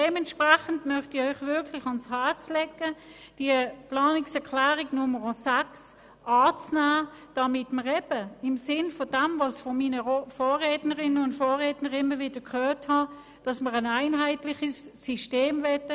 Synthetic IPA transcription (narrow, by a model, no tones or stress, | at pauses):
dɛmɛntʃpʁɛχəndmœχtɪœʏχvɪɐkʰlɪχɑnshaɐt͡slɛkːə | d̥iəplɑːnɪksɛɐkʰlæːʁɪɡnʊməʁosæks | ʔɑːt͡snæː | d̥ɑmɪtməʁɛb̥əɪmsɪnfɔd̥ɛmvɑsfɔmiːnəfoːʁɛːtnəʁɪnəʊntfoːʁɛːtnəʁɪmːəvɪd̥əkhøːthɑ | d̥ɑsməʁənaɪnɦaɪtlɪχəsːiʃteːmvɛtə